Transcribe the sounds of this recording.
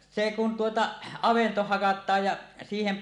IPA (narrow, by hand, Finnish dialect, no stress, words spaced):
se kun tuotɑ ɑʋento hɑkɑtˑɑːj jɑ siːhem